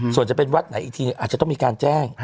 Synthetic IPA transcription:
su˨˩ənt͡ɕa˨˩pe˧nwa˦˥t̪̚na˨˦jiː˨˩t̪ʰiː˧nɯ˨˩ʔaː˨˩t͡ɕt̪ɔ˥˩miː˧kaː˧nt͡ɕɛː˥˩ŋ

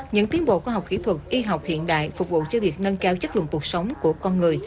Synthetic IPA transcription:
ɲɨ̰˧˥ŋt̪i˨˦ənɓo̰˧˨kːɦa˨˩wk͡p̚kḭ˧˥t̪ʰwə˨˩t̚ʔi˧ɦa˨˩wk͡p̚hḭ˧˨ənɗa̰ː˧˨jfʊ˨˩k͡p̚vṵ˧˨t͡ɕɔ˧vi˨˩ək̚nə˧nkaː˧wt͡ɕə˦˥k̚lɨ̰˧˨nk̪u˨˩ək̚sə˨˦wŋ͡mku˧˩əkɔ˧nŋɨ˨˩əj

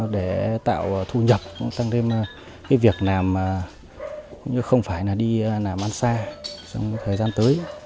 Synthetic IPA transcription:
ɗe˧˩t̪a̰ː˧˨wt̪ʰu˧ɲə˨˩p̚t̪a˧ŋt̪ʰe˧m˨˩ | ka˨˦vi˨˩ək̚naː˨˩mə˨˩ | kʊ̰˧˨ŋ͡mɲɨ˧xə˧wŋ͡mfaː˧˩jlaː˨˩ɗi˧˨naː˨˩mʔa˧nsaː˧t͡ɕɔ˧wŋ͡mt̪ʰəː˨˩jzaː˧nt̪əː˨˦j

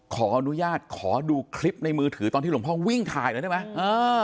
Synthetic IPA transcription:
kʰɔː˩˦ʔa˧nu˦˥jaː˥˩t̪̚kʰɔː˩˦duː˧kʰli˦˥p̚na˧jmɯː˧t̪ʰɯː˩˦t̪ɔː˧t̪ʰiː˥˩˧pʰɔː˥˩wi˥˩ŋt̪ʰaː˧jlːtʰːm˦˥jʔɤː˧

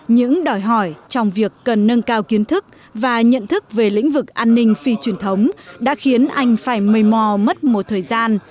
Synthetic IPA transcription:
ɲɨ̰˧˥ŋɗɔ˧˩jɦɔ˧˩jt͡ɕɔ˧wŋ͡mvi˨˩əkːə˨˩nːə˧nkaː˧wki˨˦ənt̪ʰɨ˦˥k̚ | vaː˨˩ɲə̰˧˨nt̪ʰɨ˦˥k̚ve˨˩lḭ˧˥ŋ̟vɨ˨˩k̚ʔaː˧nːï˧ŋ̟fi˧t͡ɕwi˨˩ənt̪ʰə˨˦wŋ͡mɗa̰ː˧˥xi˨˦ənʔa˧jŋ̟faː˧˩jmə˨˩jmɔ˧˩mə˦˥t̚mo˨˩t̚t̪ʰəː˨˩jzaː˧n

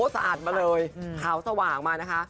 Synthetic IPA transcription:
sa˧ʔaː˨˩t̪̚maː˧lɤː˧jt̪ʰaː˩˦wsa˧waː˨˩ŋmaː˧na˦˥kʰa˦˥ʔ

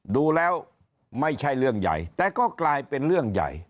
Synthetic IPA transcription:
duː˧lɛː˦˥w | ma˥˩jt͡ɕʰa˥˩jlɯ˥˩əŋja̰˨˩jt̪ɛː˨˩kɔː˥˩klaː˧jpe˧nlɯ˥˩əŋja̰˨˩j

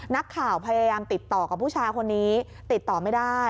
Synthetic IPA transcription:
na˦˥kʰːaː˨˩wpʰa˧jaː˧jaː˧mt̪i˨˩t̪ːɔː˨˩ka˨˩pʰuː˥˩t͡ɕʰaː˧jkʰo˧nːiː˦˥ | t̪i˨˩t̪ːɔː˨˩ma˥˩jda˥˩j

